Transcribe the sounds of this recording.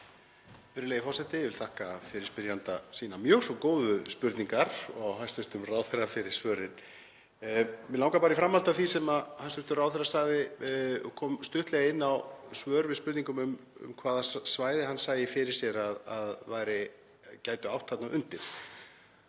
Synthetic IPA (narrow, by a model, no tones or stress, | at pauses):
fʏɾɪlejɪfɔrsɛht̪ɪvɪlt̪ʰahkafɪɾɪɾ̥spɪɾjant̪asiːnamjœsɔkoːwðʏspʏɾt̪niŋkaɾɔɣɦanst̪vʏht̪ʏmraːwθɛrːafɪɾɪ̥svœːɾɪn | mɪlawŋkapaːɾɪifɾamhalt̪aθisɛmahanst̪ʏht̪ʏrawθɛrasaɣðɪ | kʰɔːmst̪ʏht̪lɛɣɪnːawsvœːɾvɪðspʏɾt̪niŋkʏmʏmʏ̰mkʰvaːðasvaːjðɪhansaːjɪfɪɾɪ̥sjɛɾaðaðvaːjɾɪ | caːjt̪ʏawht̪hat̪nawʔʏnt̪ɪɾ̥